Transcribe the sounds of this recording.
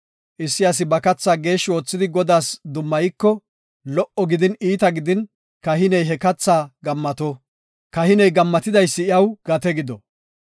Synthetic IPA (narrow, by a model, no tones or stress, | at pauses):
ʔɪsːɪjɐs̬ɪbɐkɐt͡sːaːɡe̞ːʃːɪwo̞ːt͡sːɪd̪ɪɡɔd̪aːsd̪ʊmːɐjɪkːɔ | lɔʔɔɡɪd̪ɪniːt̪ɐɡɪd̪ɪn | kɐɦɪnɛjɦɛkɐt͡sːaːɡɐmːɐt̪ɔ | kɐhɪnɛjɡɐmːɐt̪ɪd̪ɐjsːɪɪjɐwɡ̥ɐt̪ɛɡɪd̪ɔ